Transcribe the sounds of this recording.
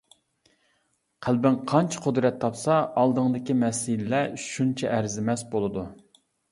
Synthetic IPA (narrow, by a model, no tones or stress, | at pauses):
qʰælbɪnqʰɑnt͡ʃʰɛ̥qʰʊd̪ɾɛt̪ʰːɑpsɑɑlˠd̪əŋd̪ɪkʲimɛsilɪlɛʃʃunt͡ʃʰɛʔːɾzɪmɛsbolˠɨd̪u